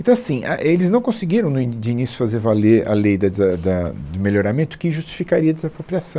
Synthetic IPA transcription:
ẽnt̪ɐ̃w̃ɐasĩaʔelɪznɐ̃w̃kõsɪɡiɾɐ̃w̃nʊid͡ʒɪinisjʊ̥fazeɾvaleɾɐ̰lejd̪ɐd̪zɐd̪ɐd̪ʊmeʎoɾamẽnt̪ʊ̥kɪʒust͡ʃi̥fikaɾiɐd̪ɪzapɾopɾiasɐ̃

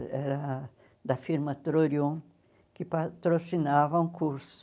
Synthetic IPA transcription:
ɛɾɐ | d̪ɐfiɾmɐt̪ɾoɾjõ | kɪpat̪ɾosinavɐũkuɾsʊ̥

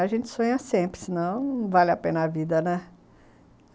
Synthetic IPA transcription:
aʒẽnt͡ʃɪ̥sõɲɐsẽmpɾɪsɪnɐ̃w̃valɪapẽnɐavid̪ɐnɛ

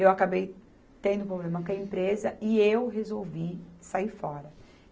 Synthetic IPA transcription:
ewakabej | t̪ẽd̪ʊpɾoblẽmɐkɐẽmpɾezɐɪewɦezowvisaiɾfɔɾɐ

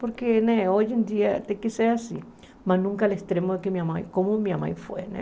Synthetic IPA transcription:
poɾkeneoʝend̪iat̪ekeseasḭ | masnũŋkalest̪ɾemoðekemiamajkomomiama̰jfwḛnḛ

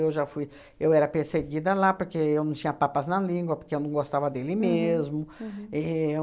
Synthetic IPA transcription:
ewʒafuj | ewɛɾɐpeɾseɡid̪ɐlapoɾkeewnɐ̃w̃t͡ʃĩɲɐpapɐznɐlĩɡwɐpoɾkeewnɐ̃w̃ɡost̪avɐd̪elɪmezmʊɛ

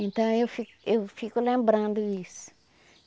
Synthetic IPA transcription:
ẽnt̪ɐ̃w̃ewfi | ewfikulẽmbɾãnd̪uisu̥

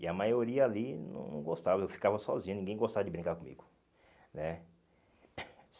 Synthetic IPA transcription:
ɪɐmajoɾiɐalinɐ̰̃w̃nɐ̰̃w̃ɡost̪avɐewfi̥kavɐsɔ̰zĩɐnĩɡẽj̃ɡost̪avɐd͡ʒɪbɾĩŋkaɾkõmḭɡʊ | nɛ

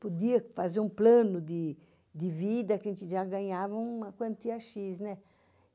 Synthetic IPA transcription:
pod̪iɐfazeɾũplɐ̃nʊd̪ɪ | d̪ɪvid̪ɐkẽt͡ʃ̪ɪʒaɡɐ̃ɲavɐũmɐkwɐ̃nt̪iɐʃiznɛ

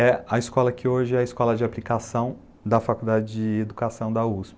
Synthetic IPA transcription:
ɛɐiskɔlɐkɪoʒɪɛɐiskɔlɐd͡ʒɪaplikasɐ̃w̃ | d̪ɐfakud̪ad͡ʒɪd͡ʒɪed̪ukasɐ̃w̃d̪ɐuspɪ

